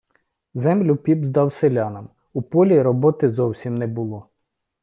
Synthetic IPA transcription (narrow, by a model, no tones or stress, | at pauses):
zɛmlʲʊpʲibzd̪ɑwselʲɑnɐm | upɔlʲiɾɔbɔt̪ɪzɔwsʲimnɛbʊlˠɔ